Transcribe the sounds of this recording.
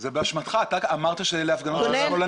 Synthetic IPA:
zebeaʃmat̪χat̪akamaʁt̪aʃeleafɡanosonola

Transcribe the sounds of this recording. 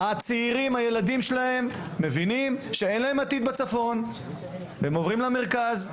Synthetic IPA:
at͡seiʁimhaje̞lad̪imʃelahe̞mː | e̞vinimʃe̞e̞nlae̞mat̪id̪̚bat͡safo̞n | emovʁimlame̞ʁkaz

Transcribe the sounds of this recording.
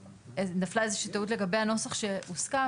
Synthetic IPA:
enaflaezeʃiːtautle̞ɡabejhano̞saχʃeuska

